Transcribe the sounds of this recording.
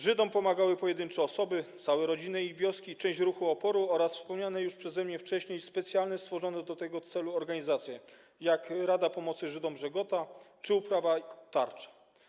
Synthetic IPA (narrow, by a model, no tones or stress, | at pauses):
ʐɘd̪ɔmpɔmaɡawɘpɔjɛd̪ɘnt͡ʂɛɔsɔbɘt̪sawɛɾɔd͡ʑinɘivʲjɔskʲit͡ʂɛ̃w̃ɕt͡ɕɾuxuɔpɔɾuɔɾasfspɔmɲanɛjuʂpʂɛzɛmɲɛft͡ʂɛɕɲejspɛt̪sʲjalnɛst̪fɔʐɔnɛd̪ɔt̪ɛɡɔt̪sɛluɔɾɡaɲizat̪sʲjɛ | jakɾad̪apɔmɔt̪sɘʐɘd̪ɔmʐɛɡɔt̪at͡ʂɘupɾavat̪aɾt͡ʂḁ